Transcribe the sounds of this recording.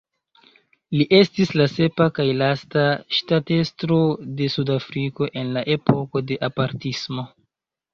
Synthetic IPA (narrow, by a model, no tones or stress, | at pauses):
liʔe̞stislase̞pakajlastaʃtate̞stɾo̞de̞sudafɾiko̞ʔe̞nlaʔe̞po̞ko̞de̞ʔapaɾtismo̞